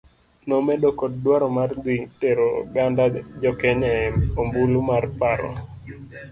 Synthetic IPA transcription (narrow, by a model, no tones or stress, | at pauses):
nɔmedokɔddwaɾɔmard̪iteɾoɡandad͡ʒɔkeɲɛombulumarpaɾɔ̰